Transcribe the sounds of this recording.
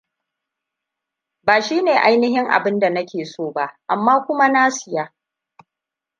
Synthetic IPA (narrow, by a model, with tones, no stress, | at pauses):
baː˨ʃiː˦neː˨ʔa˦jnɪ˦ɦɪ˦ŋʔa̰˨bɪ˦nda˨nɐ˦kʲeː˨soː˦˨ba˦ʔʔa˨mːaː˦kʷʊ˦ma˦naː˦sɪ˨jaː˦